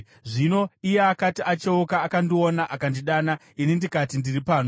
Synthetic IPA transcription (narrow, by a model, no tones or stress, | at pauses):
ʐino̞ijeakatiʔat͡ʃeukaːkandionaʔakandiɗaːna | inindikatindiripaːno